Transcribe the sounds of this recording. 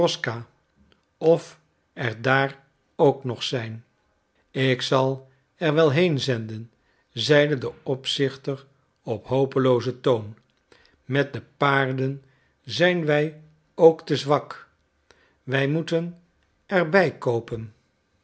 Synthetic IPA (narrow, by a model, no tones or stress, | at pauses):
ɔskaː | ɔf | ɛɹdaːr | owknɔχsɛjn | ɪksɑlˠ | ɛɹʋɛlˠɦejnzɛndən | zɛjdədəɔpsɪχtər | ɔpɦowpəlowzətown | mɛt̚dəpaːɹdən | zɛjnʋɛj | owktəzʋɑk | ʋɛjmutən | ɛrbɛjkowpən